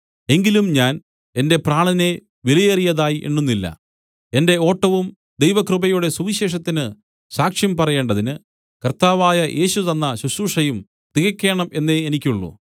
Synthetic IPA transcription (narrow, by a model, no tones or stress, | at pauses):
e̞ŋɡilumɲaːn | e̞nde̞praːɳɐne̞ | ʋilɐjɐrijɐðaːjiʔḛɳːunːilːɐ̰ | e̞nde̞o̞ːʈːɐʋum | d̪ejʋɐkrɨbɐjuɽe̞suʋiɕe̞ːʂ̬ɐt̪ːinɨ | ɕaːkʂjɐmpɐrɐje̞ːɳɖɐðinɨ | kɐrt̪aːʋaːjɐʔe̞ːɕut̪ɐnːɐɕuɕuːʂɐjum | t̪iɣɐkʲːe̞ːɳɐme̞nːeːnikʲːuɭːṵ